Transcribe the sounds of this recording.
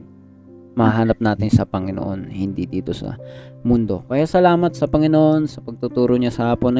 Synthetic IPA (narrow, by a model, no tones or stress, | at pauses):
mɐhɐɦaːnɐp̚naːt̪ɪnsɐpɐŋɪno̰ʔo̞nhɪnd̪id̪iːt̪o̞sɐ̰mʊnd̪o̞̰kɐjasɐlaːmɐt̪̚sɐpɐŋɪnoʔo̞nsɐpɐɡ̚t̪ʊt̪uːɾoɲasɐhaːponɐ